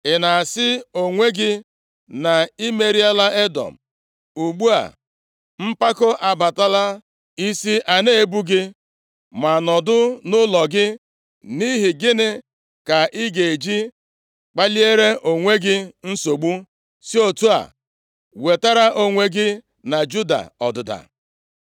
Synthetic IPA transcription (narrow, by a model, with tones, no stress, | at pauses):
ɪ˨na˨a˨sɪ˦o˨ŋʷe˦ɡɪ˦ | na˨i˦me˨ɾi˦a˦la˦e˦dɔ̰˨m̩˨ | u˨ɡ͡bu˦a̰˨ | m̩˦pa˦ko˦ʔa˨ba˨ta˦la˦ | i˦si˦ʔa˨ne˦e˦˨bu˦ɡɪ˦ | ma˨nɔ˨dʊ˦nʊ˦lɔ˨ɡɪ˦ | ni˦ɦɪ˨ɡɪ˦nɪ˦ | ka˨ʔɪ˦ɡe˨e˨d͡ʒi˦ | k͡pa˦li˦e˦ɾe˦ʔo˨ŋʷe˦ɡɪ˦n̩˦so˨ɡ͡bu˦ | si˦o˨tu˦a̰˨ | we˨ta˦ɾa˦ʔo˦ŋʷe˦ɡɪ˦ | na˨d͡ʒu˦da̰˨ɔ̰˨dʊ˨da̰˨